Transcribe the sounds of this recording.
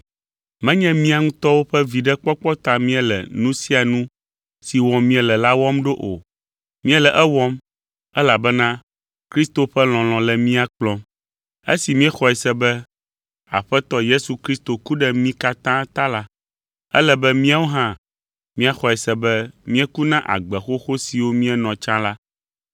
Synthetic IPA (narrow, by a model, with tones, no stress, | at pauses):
mɛ̃˦ɲɛ̃˦mĩ˦a˨ŋũ˦t̪ɔ˦wo˦ɸɛ˦vi˨ɖɛ˦k͡pɔ˦k͡pɔ˦t̪a˨mĩ˦ɛ˨lɛ̰˨nũ˦si˦a˨nũ˦ | si˨wɔ̃˨mĩ˦ɛ˨lɛ˨la˦wɔ˦mɖo˦ʔo̰˨ | mĩ˦ɛ˦lɛ˨ʔɛ˦wɔ˦m | ɛ˦la˨bɛ˦nã˦ | kɾi˦st̪o˨ɸɛ˦l̃ɔ̃˨l̃ɔ̃˨lɛ˨mĩ˦a˨k͡plɔ̃˦m | ḛ˦si˨mĩ˦ɛ˦xɔ˨ɛ˨sɛ˦bɛ˦ | a̰˨ɸɛ˦t̪ɔ˦je˦su˨kɾi˦st̪o˨ku˦ɖɛ˦mĩ˦ka˦t̪ã˦t̪ã˦la˦ | ɛ̰˦lɛ˨bɛ˦mĩ˦a˦wo˦ɦã˦ | mĩ˦a˨xɔ˨ɛ˨sɛ˨bɛ˦mĩ˦ɛ˦ku˦nã˦ʔa̰˨ɡ͡bɛ˨xo˦xo˦si˨wo˦mĩ˦ɛ˦nɔ̃˨t͡ʃã˦la˦